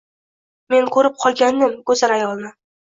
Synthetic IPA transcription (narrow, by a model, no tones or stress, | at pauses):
me̞nkʰɵɾɪp̚qʰɒlˠɡʲand̪ɪmkʰɵzaɾajɒlˠnɪ